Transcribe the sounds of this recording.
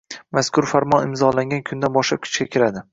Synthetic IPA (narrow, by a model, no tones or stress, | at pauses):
maskʲʰʊɾfaɾmɒnɪmzɒlaŋɡʲankʰʊnd̪anbɒʃlap̚kʰʊ̥t͡ʃkʲakʲʰɪɾad̪ɪ